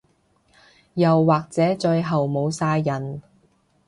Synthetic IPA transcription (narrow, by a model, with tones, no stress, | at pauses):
jɐ˨wːaː˨k̚t͡sɛː˨˥t͡ʃɵ˧ɥɦɐ˨wmo˨˧wsaː˧jːɐ˨˩n